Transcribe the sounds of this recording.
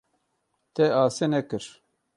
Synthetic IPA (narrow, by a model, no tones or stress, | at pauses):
t̪ɛaːsenɛkɨɾ